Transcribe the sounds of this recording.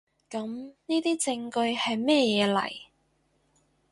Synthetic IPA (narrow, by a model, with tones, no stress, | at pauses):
kɐ˨˥mniː˥t̪iː˥t͡sɪ˧ŋkɵ˧ɥhɐ˨jmɛː˥jɛː˨˧lɐ̰˨˩j